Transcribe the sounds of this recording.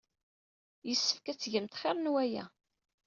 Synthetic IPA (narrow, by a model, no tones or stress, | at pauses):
jəsːə̥fkæt͡sːʝəmt̪χeɾˤnwæjæ̰